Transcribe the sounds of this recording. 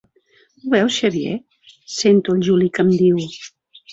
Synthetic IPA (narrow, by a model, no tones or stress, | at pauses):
uβɛwsʃəβijḛ | sent̪uəlʲʒulikəmd̪iw